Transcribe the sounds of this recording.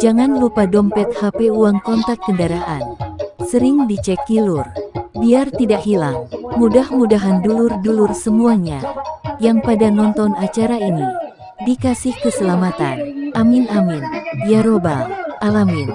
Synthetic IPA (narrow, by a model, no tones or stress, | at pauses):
d͡ʒaŋanlupadɔmpɛt̪̚hapeuaŋkɔnt̪ak̚kəndaɾaʔa̰nsəɾɪŋdit͡ʃɛkilurbiart̪idaʔhilaŋmudahmudaɦandulʊrdulʊrsəmuaɲa̰jaŋpadanɔnt̪ɔnat͡ʃaɾaini | dikasɪhkəsəlamat̪a̰nʔaminaminjaɾobalʔalamin